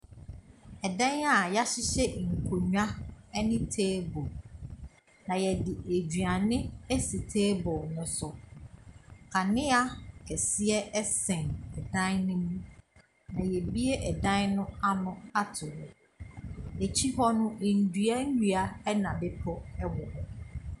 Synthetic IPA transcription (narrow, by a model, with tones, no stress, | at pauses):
ɛ˨dã˦na˦˨ja˦ɕɪ˦ɕɛ˦˨ŋ̩˨kʰo˨ɲᶣ˦ã˦ɛ˦nɪ̃˦tʰeː˦bo˨l | nã˨jɛ˨dɪ˨ʔe˨d͡ʑɥa˨nɪ̃˦æ˦si˨tʰeː˦bɔ˨lnʊ̃˦sʊ˨ | kʰa˨nɪ̃˦a˦kʰɛ˨sɪ˦ɛ˦ɛ˦sɛ̃˨nɛ˨dã˦nnʊ̃˦mũ˦ | nã˨jɛ˨bi˦e˦ʔɛ˨dã˦nʊ̃˦a˦nʊ̃˦a˦tʰʊ˨ɾ | e˨t͡ɕʰi˦ɦɔ˦nʊ̃˦˨n̩˨du˨a˦ɲ̩˦ɲu˨a˨ɛ˦nã˨bɪ˦pʰɔ˦ɛ˦wɔ˨hɔ˦